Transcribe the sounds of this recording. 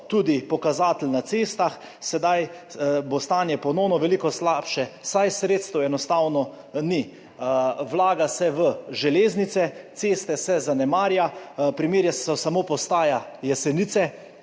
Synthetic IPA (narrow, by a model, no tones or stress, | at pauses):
t̪ud̪ipɔkazaːt̪əlnat̪sest̪ax | sɛd̪ajbost̪aːnjɛpɔnɔwnɔʋɛlikɔslaːpʃɛsajsɾet̪st̪ɔɛnɔst̪aːwnɔ | ni | wlaːɡasɛʋəʒɛleːznit̪sɛt̪sest̪ɛsɛzanɛmaːɾjapɾimeːɾjasɔsamopɔst̪aːjajɛsɛniːt̪sɛ